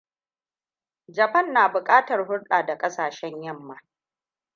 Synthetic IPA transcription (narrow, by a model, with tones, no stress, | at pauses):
d͡ʒɐ˨ɸɐ˦˨nːaː˨bʊ˨kʼaː˦tɐ˨rhʊ˦ɽɗaː˨da˨kʼɐ˦saː˨ʃɛ˦ɲjɐ˦˨mːa˨